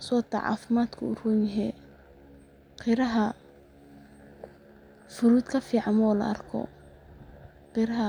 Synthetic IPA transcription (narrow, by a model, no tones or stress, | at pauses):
sɔːt̪ʰɐ̰ʕɑ̰ːfɪmaːd̪kʰʊʊrunɪɦɛː | qʰɪɾɐɦɐ | fʊɾuːd̪kʰɐfiːʕɑmɔːlɐ̰ɐrkʰɔ̰ | qɪɾɐɦɐ